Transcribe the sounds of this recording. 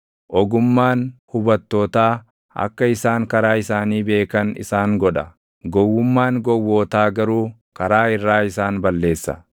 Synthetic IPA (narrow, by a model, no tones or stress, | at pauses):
ʔɔɡʊmːaːnhʊbɐt̪ːoːt̪aː | ɐ̰kːɐɪsaːŋkɐɾaːɪsaːniːbe̞ːkɐnɪ̰saːŋɡɔᶑɐ | ɡɔwːʊmːaːŋɡɔwːoːt̪aːɡɐɾuː | kɐɾaːɪrːaːɪsaːnbɐlːe̞ːsːɐ̰